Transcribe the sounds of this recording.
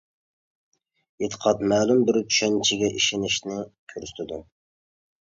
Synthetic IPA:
et̪ʰə̥qʰɑt̪mɛːlumbɪɾt͡ʃ̪ʰy̥ʃɛnt͡ʃʰɪɡʲɛʔiʃinɪʃnɪkʲʰøɾsy̥t̪ʰɪd̪u

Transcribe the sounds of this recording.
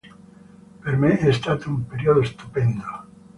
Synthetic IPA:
peɾmeeθest̪at̪umpeɾjoðoest̪upend̪o

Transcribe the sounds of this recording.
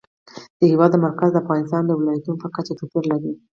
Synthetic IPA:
d̪̥əhɪwɑd̪ːəmaɾkazd̪əafɣɑnɪst̪ɑnd̪əwɪlɑjat̪unopəkat͡ʃat̪upiɾlaɾi

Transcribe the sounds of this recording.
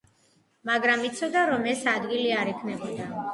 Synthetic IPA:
maɡɾamit̪sʰɔd̪aɾɔmɛsad̪ɡiliaɾɛkʰnɛbɔd̪a

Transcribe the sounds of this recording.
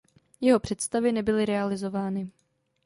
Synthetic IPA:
jɛɦo̞pr̝̥ɛt̪st̪avɪnɛbɪlɪɾɛalɪzo̞vaːnɪ

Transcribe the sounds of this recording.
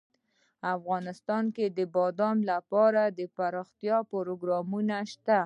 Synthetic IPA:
afɣɑnɪst̪ɑnked̪əbɑd̪ɑmlapɑɾad̪əpaɾɑxt̪jɑpoɾoɡɾɑmunaʃt̪a

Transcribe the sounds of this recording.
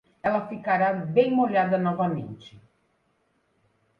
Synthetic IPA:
ɛlɐfikaɾabejmoʎad̪ɐnɔvamḛ̃nt͡ʃɪ̥

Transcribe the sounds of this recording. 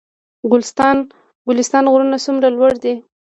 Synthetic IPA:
ɡʊlst̪ɑn | ɡʊlɪst̪ɑnɣʊɾunasumɾalwaɽd̪i

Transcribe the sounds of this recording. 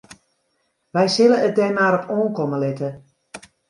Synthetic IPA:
ʋɛjsɪləət̚dɛjmaːɾɔpʰoːnkɔməlɪtə

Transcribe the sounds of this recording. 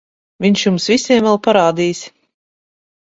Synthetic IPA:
vʲiɲʃjumsvʲisʲiɛmvɛlˠpaɾaːd̪iːs

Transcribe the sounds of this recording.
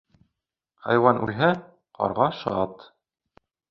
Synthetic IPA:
χɑ̰jwɑnʔʉ̰lɦæ | qɑ̰ɾʁɑʃɑt̪

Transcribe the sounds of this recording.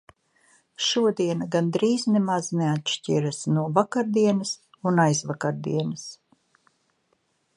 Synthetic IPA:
ʃuɔd̪iɛnaɡand̪ɾiːznemaz̥neat̪ʃcʲiɾasnuɔvakaɾd̪iɛnɐs | unajzvakaɾd̪ḭɛnɐs

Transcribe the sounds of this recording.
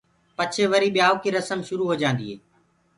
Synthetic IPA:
pət͡ʃʰeʋəɾiːɓɪjaːoːkiːɾəsəmʃʊɾuːɦoːd͡ʒãːnd̪iːɦeː

